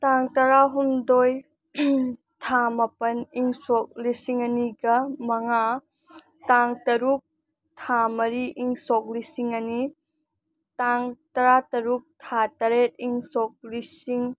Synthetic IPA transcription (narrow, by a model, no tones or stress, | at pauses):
taŋtɐɾaɦumdoj | tʰamɐpɐniŋsɔk̚lisiŋɐniɡɐmɐŋa | taŋtɐɾuk̚ | tʰamɐɾiʔiŋsɔk̚lisiŋɐni | taŋtɐɾatɐɾuk̚tʰatɐɾet̚iŋsɔk̚lisiŋ